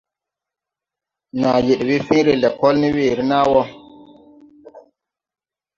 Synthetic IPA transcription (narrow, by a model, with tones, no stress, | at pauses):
na˨je˨ɗwi˦fĩ˦ɾe˨lɛ˨kɔ˦lni˦weː˨ɾi˦na˦wɔ˦